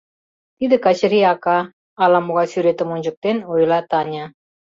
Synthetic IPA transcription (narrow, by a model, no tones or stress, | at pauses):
t̪id̪ɘ̆kɑt͡ɕɘ̆ɾiɑkɑː | lˠɑmuʁɑsyɾet̪ə̆munʲʒə̆k̚t̪enujlˠɑt̪ɑnʲa